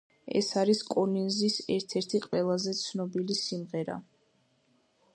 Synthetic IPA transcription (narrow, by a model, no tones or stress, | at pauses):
ɛ̰saɾiskʼɔninzisɛɾt̪ʰɛɾt̪ʰiqʼwɛlˠazɛt̪sʰnɔbilisimʁɛɾa̰